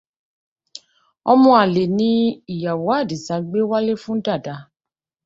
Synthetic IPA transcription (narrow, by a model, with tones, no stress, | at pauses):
ɔ˧mɔ̃˧a˨le˨nĩ˦i˨ja˨wo˨˦a˦˨di˨sa˧˦ɡ͡be˦wa˦le˦fũ˦da˦˨da˨˧˦